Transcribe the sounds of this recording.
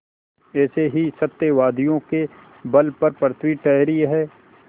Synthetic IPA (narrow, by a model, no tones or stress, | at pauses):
ɛːseɦisɐt̪ːjeʋaːd̪ijõke | bɐlpɐɾpɾət̪ʰwiʈɛɦɾiɦɛː